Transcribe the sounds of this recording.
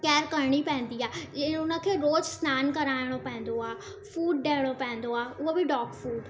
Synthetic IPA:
kɛːɾkɐɾɽ̃ipɛ̃ɦɪ̃n̆d̪iaːʊnə̆kʰeːɾoːd͡ʒsnaːnkɐɾaːɪɽ̃opɛ̃ɦɪ̃n̆d̪oaː | fuːɖ̚ːeːɽ̃opɛ̃ɦn̆d̪oaːʊɦobʱiɖɔːkfuːɖ

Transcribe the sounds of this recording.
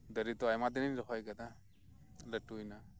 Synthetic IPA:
dəɾitɔajmadininɾɔɦɔjɡada | latujna

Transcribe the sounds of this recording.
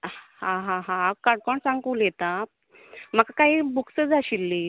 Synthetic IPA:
hãɦãɦãːkaɽ̚koɳsãŋkũljɛt̪a | m̤əkakaɦiːbuksəd͡zaɕilːiː

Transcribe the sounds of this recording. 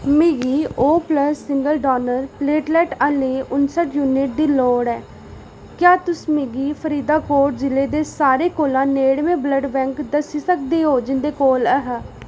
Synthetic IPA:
mɪɡiːoːpləsːɪŋɡəlɖɔːnəɾpleːʈlɛːʈəleːʊnsəʈjuːnɪʈ̚d̪iːloːɽɛː | kjaːt̪ʊsmɪɡiːpʰəɾiːd̪aːkoːʈ̚d͡ʒɪleːd̪eːsaːɾeːkoːlãːneːɽmẽːbləɖbɛ̃ːŋkd̪əsiːsək̚d̪eːɦoːd͡ʒɪnd̪eːkoːləɦə

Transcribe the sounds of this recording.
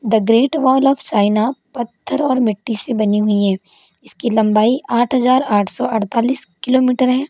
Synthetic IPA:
d̪ɐɡɾeːʈʋɔːlɔːft͡ʃaːɪnapɐt̪ʰːəɾɔːɾmɪʈːisebɐniɦʊiɦɛ̃ː | ɪskilɐ̃mbaːiʔaːʈʰɦɐzaːɾaːʈʰsɔʔɐɽt̪aːliːskɪloːmiːʈəɾɦɛ̃ː

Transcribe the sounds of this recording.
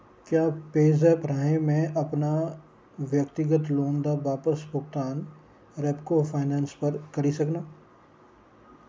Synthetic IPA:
kjaːpeːzɛːpɾaːɦẽmẽʔɐpna | ʋjɐk̚t̪ɪɡət̪lõːnd̪aʋaːpəsbʊɡt̪aːn | ɾɛːpkofʰaːnaːnspɐɾkɐɾisɐknaː

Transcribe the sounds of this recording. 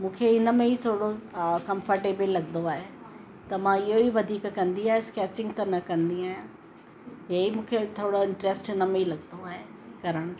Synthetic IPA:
mũːkʰeɪnə̆mẽit̪ʰoːɽokɐ̃mfəɾʈeːbɪlːɐɡnd̪oaːɦe | t̪ɐmãɪɦoiʋɐd̪ʱiːkkɐ̃nd̪iaːɦeskɛːt͡ɕɪ̃ŋɡt̪ɐnɐkɐ̃nd̪iaːɦijã | ɦeimũːkʰet̪ʰoːɽoɪ̃ɳʈɾesʈɪnəmẽilɐɡnd̪oaːɦe | kɐɾəɽ̃ʊ

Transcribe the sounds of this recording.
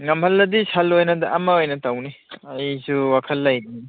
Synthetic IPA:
ŋɐmʰɐlːɐdisalːojnɐdɐʔɐmɐojnɐtawniɐjsʰuwakʰɐlːɐjni

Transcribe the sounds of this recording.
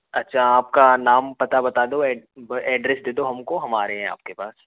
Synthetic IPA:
ɐtːʃʰaaːp̚kanaːmpɐt̪abɐt̪aːd̪oɛːbɛːɖɾɛsd̪eːd̪oɦɐmkoɦɐmaːɾeɦɛ̃a̰ːp̚kepa̰ːs

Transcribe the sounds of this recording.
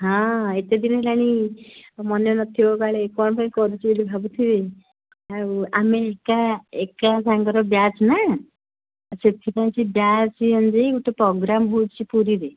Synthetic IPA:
ɦãet̪ed̪inelaɽ̃i | mɔnjɔnət̪ʰioɡaɭekɔɳpaĩkɔɾut͡ʃiilibʱabut̪ʰiʋe | aameekaekasãŋɡəɾɔbjat͡sna | set̪ʰipãj̃t͡ɕibjat͡simənd͡ʒekuʈːepɾɔɡɾambuːd͡zt͡ɕipuɾid̪e

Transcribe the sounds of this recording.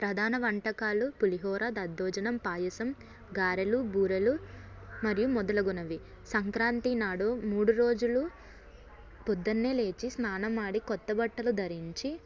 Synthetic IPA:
pɾɐd̪ʱaːnɐʋɐɳʈɐkaːlupuliɦɔːɾaːd̪ɐd̪ːɔːd͡ʒɐnɐmpaːjɐsɐm | ɡaːɾɐlubuːɾɐlu | mɐɾijumɔd̪ɐlɐɡunɐʋi | sɐŋkɾaːnt̪inaːɽumuːɽuɾo̞ːd͡ʒulu | pud̪ːɐnːeːle̞ːt͡ʃisnaːnɐmaːɽikɔt̪ːɐbɐʈːɐlud̪ʱɐɾiɲt͡ʃi

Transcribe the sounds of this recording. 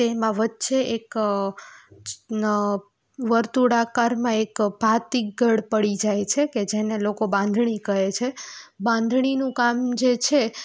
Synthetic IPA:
t̪emãʋətːʃeʔek | ʋəɾt̪uɽakaɾmãekbʱat̪ik̚ɡəɽpəɽid͡ʒajt͡ʃʰeked͡ʒenelokobãnd̪ʱɳ̃ikəɦet͡ʃʰebãnd̪ʱɳinũkamd͡ʒet͡ʃʰe

